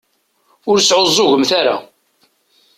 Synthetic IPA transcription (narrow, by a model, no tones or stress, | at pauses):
ʊɾsʕozˤːʊʝəmθaɾa̰